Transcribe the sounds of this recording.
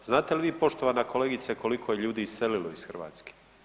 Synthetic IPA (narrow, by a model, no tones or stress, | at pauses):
znaːt̪eliʋiːpo̞ʃt̪o̞ʋanako̞leːɡit̪seko̞likʰo̞jeʎuːd̪iːseliloisxr̩ʋa̰ːt̪ske̥